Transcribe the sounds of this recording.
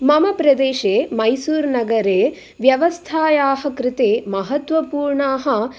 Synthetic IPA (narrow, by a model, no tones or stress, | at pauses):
mɐmɐpɾɐd̪eːʃeːmɐjsuːɾnɐɡɐɾeː | ʋjɐʋɐst̪ʰaːjaːɦɐkɾɪt̪eːmɐɦɐt̪ʋɐpuːɾɳaːɦɐ̆